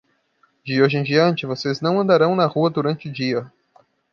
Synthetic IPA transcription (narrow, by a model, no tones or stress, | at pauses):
d͡ʒɪoʒẽj̃d͡ʒiɐ̃nt͡ʃɪvoseznɐ̃w̃ɐ̃nd̪aɾɐ̃w̃nɐhuɐd̪uɾɐ̃nt͡ʃɪʊd͡ʒiɐ